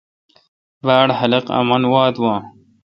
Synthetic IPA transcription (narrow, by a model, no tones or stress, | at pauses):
baːɽhɐlɐqɐ̰mɐnwaːd̪wãː